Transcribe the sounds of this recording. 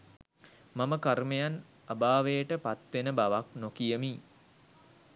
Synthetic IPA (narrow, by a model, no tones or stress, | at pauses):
maməkarmejan | abaːʋejəʈəpat̪ʋenəbaʋak̚nokijəmiː